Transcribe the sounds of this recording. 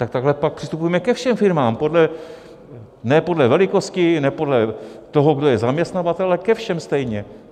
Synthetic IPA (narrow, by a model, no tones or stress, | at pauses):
t̪ak̚t̪aɡɦlɛpak̚pr̥ɪst̪upujɛmɛkɛfʃɛmfɪɾmaːmpo̞dlɛ | nɛpo̞dlɛvɛlɪko̞scɪnɛpo̞dlɛt̪oɦoɡdojɛzamɲɛst̪navat̪ɛlaɛkɛfʃɛmst̪ɛjɲɛ